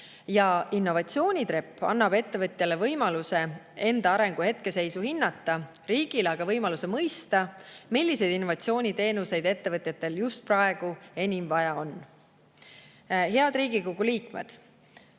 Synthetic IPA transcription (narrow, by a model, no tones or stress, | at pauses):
jɑinːo̞vɑt̪sio̞ːnʲit̪ɾepːɑ̰nːɑbe̞t̪ːe̞vɤt̪ˑjɑle̞vɤjmɑluse̞e̞nd̪̥ɑɑɾe̞ŋɡ̥uhe̞t̪̚ke̞se̞jsuhinːɑt̪ːˑɑ | ɾiːɡ̥ileɑɡ̥ɑvɤjmɑlusemɤjst̪ɑmilʲːisejd̪̥inːo̞vɑt̪sio̞ːnʲit̪e̞ːnuse̞jd̪e̞t̪ːe̞vɤt̪ʲˑjɑt̪ːˑe̞ljust̪̚prɑe̞ɡ̥ue̞nʲimvɑjɑo̞n | ɦe̞ɑd̪ɾiːɡiko̞ɡ̥uliːkme̞̰d̪̥